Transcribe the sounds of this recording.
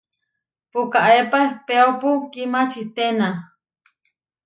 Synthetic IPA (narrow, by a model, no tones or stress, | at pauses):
pukaʔepaepeopukimat͡ʃit̪ena